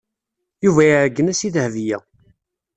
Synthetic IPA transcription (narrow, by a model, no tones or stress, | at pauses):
juvæjʕəɡːənæsiðhvijæ